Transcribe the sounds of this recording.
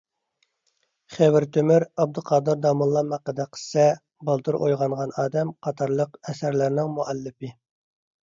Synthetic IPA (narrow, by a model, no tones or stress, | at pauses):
χewɪɾt̪ʰømɪɾɑb̚d̪uqʰɑːd̪ɨɾd̪ɑmulˠːɑmæqːəd̪ɛqʰə̥sɛ | bɑlˠt̪ɨɾʔojʁɑɴʁɑnɑːd̪ɛmqʰɑt̪ʰɑɾlˠəqɛsæɾlæɾnɪŋmuɛlːɪpɪ